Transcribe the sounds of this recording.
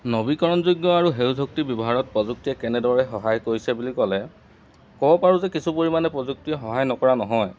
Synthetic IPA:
nobikɔɹɔnzujɡjɔaɹuɦewdʱok̚tibibɔɦaɹɔt̚pɹɔzuk̚tijɛkɛnɛdɔɹɛxɔɦajkoɹisɛbulikɔlɛ | kɔbɔpaɹuzɛkisʰupoɹimanɛpɹɔzuk̚tijɔxɔɦajnɔkɔɹanɔɦɔj

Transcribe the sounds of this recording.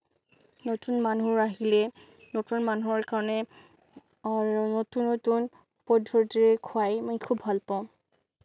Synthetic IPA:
notunmanuɹaɦilɛ | notunmanuɦɔɹkaɹɔnɛ | notunːotun | pɔdʱːɔɹtiɹɛkʰuajmojkʰubɦalpãʊ̃

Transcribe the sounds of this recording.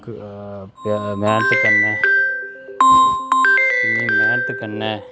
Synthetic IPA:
k | pːmɛːnət̪kəɾnaː | nĩːmɛːnət̪kəɾnɛː

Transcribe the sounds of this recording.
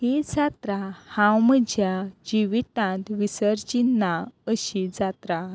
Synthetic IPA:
ɦid͡zat̪ɾahãwməd͡ʑʱjad͡ʑiʋit̪ãt̪ʋisəɾt͡ɕinːaəɕid͡zat̪ɾa

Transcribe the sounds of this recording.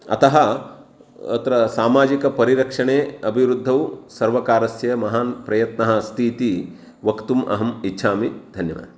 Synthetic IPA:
ɐ̰t̪ɐɦɐ | ɐ̰t̪ɾɐsaːmaːd͡ʒikɐpɐɾiɾɐkʂɐɳeːɐbʱiʋɾud̪ʱːɐʋsɐɾʋɐkaːɾɐsjɐɐmɐɦaːnpɾɐjɐt̪nɐɦɐst̪ʰiːt̪i | ʋɐkt̪umʔɐ̰ɦɐmitːʃʰaːmid̪ʱɐnjɐʋɐ̰

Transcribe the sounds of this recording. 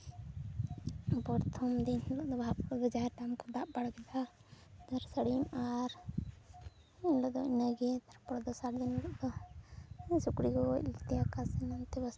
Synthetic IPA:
bɔɾt̪ʰɔmd̪inlɔʔd̪ɔbʱapbəd͡ʒaɾʈamkɔd̪aʔbaɽɡɛd̪ad̪aɾsəɽimaɾ | inlɔʔd̪ɔinəɡɛt̪aɾpɔɽd̪ɔsaɽd̪inlɔʔd̪ɔ | sukɽiɡɔḭlt̪ɛakasɛnant̪ɛbəs

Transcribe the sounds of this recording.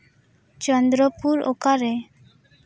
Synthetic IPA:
t͡ʃɔnd̪ɾɔpuɾo̰kaɾe

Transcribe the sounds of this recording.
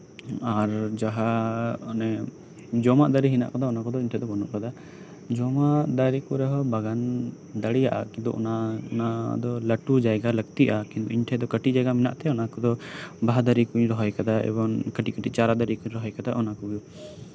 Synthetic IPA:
aɾd͡ʒaɦaɔnɛ | d͡ʒɔmaʔd̪aɾiɦina̰ʔkad̪aɔnakɔd̪ɔiɲʈʰɛd̪ɔbɔnɔʔkad̪a | d͡ʒɔmad̪aɾikɔɾɛɦɔbaɡan | d̪aɽija̰ʔa̰kint̪ɔ̰ʔɔ̰naɔnad̪ɔləʈud͡ʒajɡalək̚t̪iʔakĩnt̪ɔiɲʈʰɛd̪ɔkəʈiʔd͡ʒaɡamina̰ʔt̪ɛɔnakɔd̪ɔbaɦad̪aɾikuɲɾɔɦɔjkad̪aɛ̰bɔŋkəʈiʔkəʈit͡ʃaɾad̪aɾikuɲɾɔɦɔjkad̪aʔɔnakuu

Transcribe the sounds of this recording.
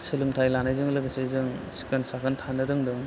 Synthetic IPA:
sɯlɯmtʰajlanajzɯŋlɯɡɯsezɯŋsi̥kɯnsakʰɐntʰanɯdɯŋdɯŋ

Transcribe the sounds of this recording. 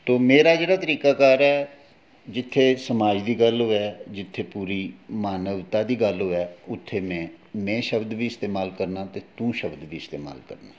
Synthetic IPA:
t̪oːmeːɾaːd͡ʒeːɽaːt̪əɾiːkaːkaːɾɛː | d͡ʒɪt̪ʰːeːsəmaːd͡ʒd̪iːɡəlɦoːɛːd͡ʒɪt̪ʰːeːpuːɾiːmaːnəʋt̪aːd̪iːɡəlɦoːɛːʊt̪ʰːeːmɛ̃ː | mɛ̃ːʃəbd̪biːɪst̪eːmaːlkəɾnaːt̪eːt̪ũːʃəbd̪ʋiːɪst̪eːma̰ːlkə̰ɾnaː

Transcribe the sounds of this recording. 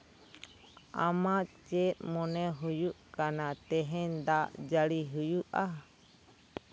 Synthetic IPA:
a̰mat͡ʃɛt̪̚mɔnɛɦujuʔkanat̪ɛɦɛnd̪aʔd͡ʒaɽiɦujuʔa

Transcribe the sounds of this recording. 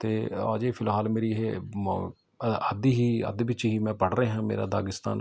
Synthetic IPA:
t̪eːa̰ːd͡ʒeːpʰɪlɦaːlmeːɾiːɦe | əd̪iːɦiːə̰d̪bɪt͡ʃɦiːmɛ̃ːpəɽɾeːɦãːmḛːɾa̰ːd̪aːɡɪst̪a̰ːn

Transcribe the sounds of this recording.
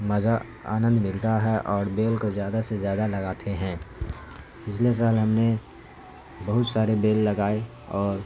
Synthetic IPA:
mɐza | a̰ːnə̃nd̪mɪlt̪aɦɛʔɔːɾbeːlkozjaːd̪asezjaːd̪alɐɡaːt̪ʰeɦɛ̃ː | pɪt͡ʃʰles̬aːlɦɐmne | bɐɦʊt̪saːɾebeːlːɐɡaːe | ɔːɾ

